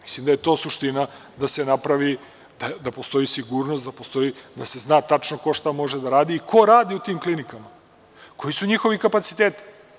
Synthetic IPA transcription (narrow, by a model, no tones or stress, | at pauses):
mi̥slimd̪ajet̪o̞ːsuʃt̪ina | d̪ase̞napɾaʋi | d̪̥ad̪apo̞st̪o̞jisiɡuːɾnost̪d̪apost̪o̞jid̪ase̞znaːt̪at͡ʃnoko̞ʃt̪amo̞ʒed̪aɾaːd̪iːkʰo̞ɾaːd̪iut̪iːmklinikama | ko̞jisuɲixo̞ʋikapat̪si̥t̪eːt̪i̥